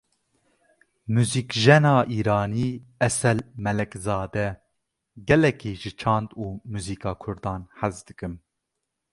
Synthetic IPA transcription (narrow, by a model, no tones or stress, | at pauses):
muːziːkʒɛnɑːʔiːɾɑːniːɛsɛlmɛlɛkzɑːd̪ɛ | ɡɛlɛkiːʒɨt͡ʃʰɑːnd̪uːmuːziːkɑːkʰʊɾd̪ɑːnħæzd̪ɨkɨm